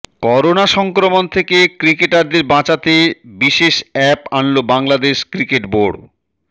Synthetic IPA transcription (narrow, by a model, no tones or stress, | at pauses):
kɔɾonaʃɔŋkɾomont̪ʰekekɾikeʈaɾd̪eɾbãt͡ɕat̪ebiʃeʃɛpanlobaŋlad̪eʃkɾikeʈboɖ